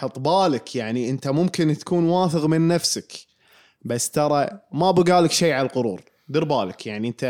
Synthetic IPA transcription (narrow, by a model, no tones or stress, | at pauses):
ħɑt̪ˤbaːlakʰjaʕniʔɪnt̪amʊmkɪnt̪ḁkuːnwaːθəɣmɪnːafsɪk | basːt̪ɑɾˤɑmabɪɡaːlɪkʃeːʕalalqʊɾṵːɾ | d̪ɨɾbaːlɪkjaʕniʔənt̪a